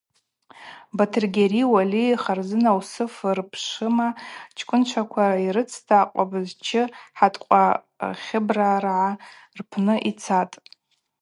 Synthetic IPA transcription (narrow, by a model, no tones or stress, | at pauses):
batʰɨrɡʲeriwaliχarzɨnawsɨfrpʰʂɨmat͡ʃʰkʷʰʼʊnt͡ʃʷʰakʷʰaiɾɨt͡sʰtʰaːqʷʼabɨzt͡ʃʰɪħatʼqʷʼa | χʲɪbraːrʕa | rpʰnɨʔit͡sʰatʼ